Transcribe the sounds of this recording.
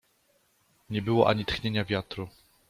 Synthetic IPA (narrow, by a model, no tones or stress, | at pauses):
ɲɛbɘwɔʔa̰ɲit̪xɲeɲavʲjat̪ɾu